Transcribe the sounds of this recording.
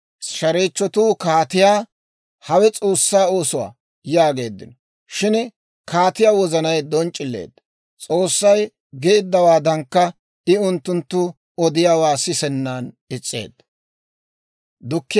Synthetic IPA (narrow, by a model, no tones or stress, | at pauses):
ʃɐɾeːt͡ʃːɔt̪uːkaːt̪ɪjaː | hɐwɛt͡sʼo̞ːsːaːo̞ːsʊwa̰ː | jaːɡe̞ːd̪ːɪ̰nɔ | ʃɪn | kaːt̪ɪjaːwɔzɐnɐjd̪ɔnt͡ʃʼːɪlːe̞̰ːd̪ː | t͡sʼo̞ːsːɐj | ɡeːd̪ːɐwaːd̪ɐŋkːɐ | ɪʊnt̪ːʊnt̪ːʊ | ɔd̪ɪjaːwaːsɪsɛnːaːn | ɪt͡sʼːḛːd̪ɐ | d̪ʊkːɪ